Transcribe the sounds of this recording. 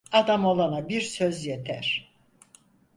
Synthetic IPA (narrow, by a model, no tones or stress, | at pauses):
ad̪amo̞lˠanabiɾsøzjet̪ʰæ̰ɾ̥